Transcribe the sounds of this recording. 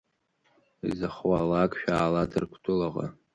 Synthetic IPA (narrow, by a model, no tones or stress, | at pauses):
izaχwalakʼʃᶣaːladʰɨrkʷʰtʰʼʊlaʁa̰